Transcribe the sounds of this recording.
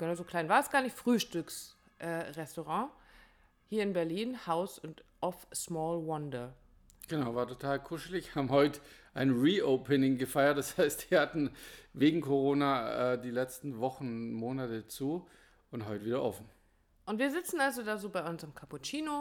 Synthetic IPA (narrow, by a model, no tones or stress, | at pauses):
ɡ̥ənazokʰl̥aɪnvaːɐɛsɡ̥aːɐnɪçfʁ̥yːʃtʏks | ʔɛːʁɛstoʁɑ̃ː | hiːɐɪnbɛɐliːnhaʊsʊntʔɔfsmɔːlwɔndɐ | ɡ̥ənaʊvaːɐtʰotʰaːlkʰʊʃl̩ɪçhaːbm̩hɔʏtʔaɪnʁiːʔoʊpʰənɪŋɡəfaɪɐt̚d̥ashaɪstv̥iːɐhatn̩veːɡŋ̩kʰoʁoːnaːɛːdiːlɛt͡stn̩vɔχn̩moːnatət͡suː | ʔʊntɦɔʏtviːdɐʔɔfn̩ | ʔʊntv̥iːɐzɪt͡sn̩alzodaːzoːbaɪʔʊnsɪmkʰaput͡ʃiːno